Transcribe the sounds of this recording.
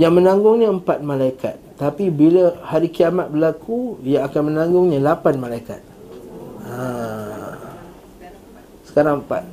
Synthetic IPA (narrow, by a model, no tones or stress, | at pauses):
jaŋmə̃nãŋɡʊŋɲəəmpat̪̚mãlaika̰t̪ːapibilahaɾikiamat̪̚bəlakʰuijaːkanmənãŋɡʊŋɲãlapanmãlaika̰t̪̚ | a | sə̥kaɾaŋəmpa̰t̪̚